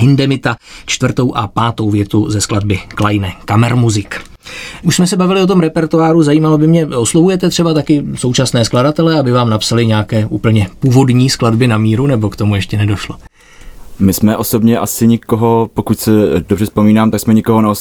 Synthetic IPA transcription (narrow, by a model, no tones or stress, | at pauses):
ɦɪndɛmɪt̪at͡ʃt̪vr̩t̪o̞wʔapaːt̪o̞wvjɛt̪uzɛskladbɪklajnɛkamɛɾmuzɪk | ʔuʃsmɛsɛbavɪlɪot̪̬omɾɛpɛɾt̪oaːɾuzajiːmalobɪmɲɛoslovujɛt̪ɛt̪r̥ɛbat̪akɪso̞wt͡ʃasnɛːskladat̪ɛlɛabɪvaːmnapsalɪɲɛakɛːʔuːpl̩ɲɛpuːvo̞dɲiːskladbɪnamiːɾunɛbo̞kt̪o̞mujɛʃcɛnɛdo̞ʃlo | mɪsmɛʔosobɲɛʔasɪɲɪkoɦopokucsɛdobrɛspomiːnaːmt̪aksmɛɲɪkoɦonɛos